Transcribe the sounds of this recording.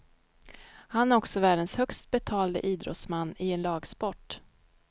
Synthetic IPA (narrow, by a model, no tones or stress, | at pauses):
hanæɾɔksɔvæːɖənshœkst̪̚bɛt̪ʰɑːld̪ə̰ʔiːd̪ɾɔ̰t̪smanːɪɛnlɑːɡspɔʈː